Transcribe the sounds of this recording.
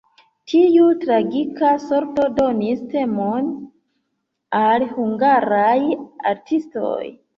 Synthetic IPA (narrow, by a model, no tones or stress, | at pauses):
tʰiutɾaɡikaso̞ɾto̞do̞niste̞mon | alhuŋɡaɾaja̰ɾtʰisto̰j